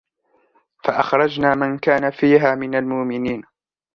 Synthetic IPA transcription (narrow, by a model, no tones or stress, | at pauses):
faʔaxɾˤɑd͡ʒnaːmankaːnafiːɦaːmɪnalmʊʔmɪniːn